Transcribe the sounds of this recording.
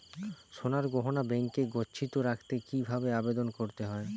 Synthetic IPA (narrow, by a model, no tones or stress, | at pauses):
ʃonaɾɡoɦonabɛŋkeɡotːɕʰit̪oɾakʰt̪ekibʱabeabed̪onkoɾt̪eɦɔe